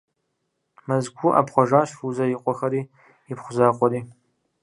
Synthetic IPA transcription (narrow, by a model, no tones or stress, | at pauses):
mɐzɡʷʰʊʔa̰pχʷɔʒaːʃfuzɐjiqʷʼɔxɐɾiː | ɪpχʷʊzaːqʷʼɔɾiː